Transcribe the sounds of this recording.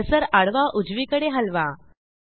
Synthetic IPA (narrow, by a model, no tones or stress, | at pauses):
səɾaɽʋaʔud͡zʋikəɽeɦəlʋa